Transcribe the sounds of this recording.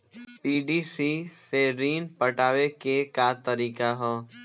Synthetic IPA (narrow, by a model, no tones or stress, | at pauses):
piːɖiːsiseɾiːnpəʈaːʋekekat̪əɾiːkaɦoː